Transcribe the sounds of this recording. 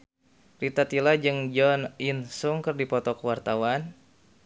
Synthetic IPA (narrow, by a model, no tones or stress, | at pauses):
rit̪at̪ilad͡ʒɨŋd͡ʒɔninsuŋkɨrdipɔt̪ɔkəwart̪awan